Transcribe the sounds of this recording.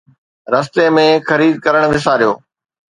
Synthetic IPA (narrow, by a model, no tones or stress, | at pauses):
ɾɐs̬t̪emẽxɐɾiːd̪̚kəɾəɽ̃ʋɪs̬aːɾjoː